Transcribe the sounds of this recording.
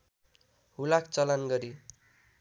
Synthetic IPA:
ɦulakt͡sʌlanɡʌɾi

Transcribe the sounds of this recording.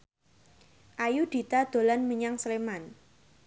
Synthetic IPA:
ʔajud̪̥i̤t̪ad̪̥o̤lanməɲaŋsleman

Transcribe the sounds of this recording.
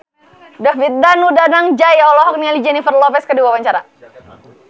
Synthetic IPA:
dafit̪̚danudanaŋd͡ʒajɔlɔɦɔk̚nialid͡ʒɛnifərlɔpɛskədiwawaɲt͡ʃaɾa

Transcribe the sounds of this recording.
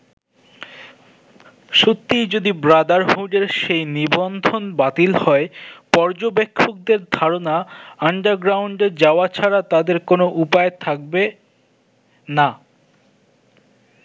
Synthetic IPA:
ʃut̪ːijd͡ʑod̪ibɾad̪aɾɦuɖeɾʃejnibond̪ʱonbat̪ilhɔepɔɾd͡ʑobekʰːok̚d̪eɾd̪ʱaɾonaaɳɖaɾɡɾawɳɖed͡ʑaoat͡ɕʰaɾat̪ad̪eɾkonoʔupaet̪ʰak̚be | na

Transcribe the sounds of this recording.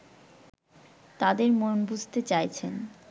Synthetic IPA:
t̪ad̪eɾmonbud͡ʑʱt̪et͡ɕajt͡ɕʰen

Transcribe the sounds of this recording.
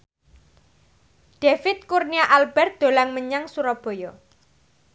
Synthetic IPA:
ɖ̥efɪt̪̚kurniaʔalb̥ɛrt̪̚d̪̥o̤laŋməɲaŋsuɾɔb̥o̤jɔ

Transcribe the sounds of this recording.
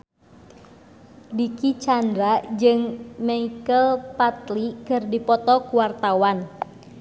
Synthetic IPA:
dikit͡ʃandɾad͡ʒɨŋmaikəlpat̪likɨrdipɔt̪ɔkuwart̪awan

